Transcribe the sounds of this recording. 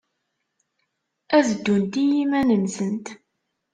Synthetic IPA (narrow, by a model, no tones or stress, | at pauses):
æzəd̪ːunt̪ijimænənsənt̪